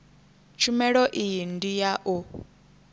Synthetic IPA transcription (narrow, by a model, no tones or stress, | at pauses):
t͡ʃʰumɛɺɔʔijindijaʔu